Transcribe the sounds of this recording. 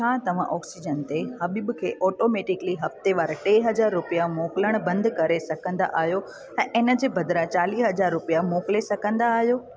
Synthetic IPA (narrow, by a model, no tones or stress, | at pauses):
t͡ʃʰãːt̪ɐʋ̤ãʔɔːksid͡ʑənt̪ehɐbibkʰeːʔɔːʈoːmeːʈɪkliɦɐft̪eʋaːɾʈeiɦɐd͡ʑaːɾːʊpijamoːkɪləɽ̃bɐ̃nd̪kɐɾesɐkʰə̃nd̪a̰ʔaːɦijo | ɛ̃ːʔɪnə̆d͡ʑeːbʱɐd̪ɾat͡ɕaːliːsɦɐd͡ʑaːɾːʊpijamoːkɪlesɐkʰə̃nd̪aːɦijoː